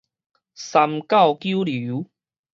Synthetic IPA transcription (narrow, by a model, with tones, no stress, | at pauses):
sa˧mka˥˧˨wkju˦lu˨˦